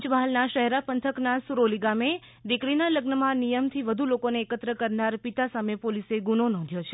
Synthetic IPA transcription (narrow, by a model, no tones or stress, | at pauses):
t͡ʃbaɦlnaʃəɦeɾapənt̪ʰəknasuɾoliɡame | d̪ikɽinaləɡnəmãnijəmt̪ʰiʋəd̪ʱulokoneːkət̪ɾəkəɾnaɾpit̪asamepoliseɡunonɔ̃nd̪ʱjot͡ʃʰe